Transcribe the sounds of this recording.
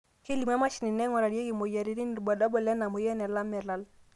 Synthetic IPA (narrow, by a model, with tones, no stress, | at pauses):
ke˦li˨ma˦ma˦ʃi˨ni˨nɛ˦ŋɔ˨ɾa˨ɾje˦ɡi˨mo˨ja˨ɾi˦ɾi˦n˨ɾba˨dɔ˦bɔ˨lɛ˦na˨mo˨jɛ˦nɛ˨la˦mɛ˨la˦l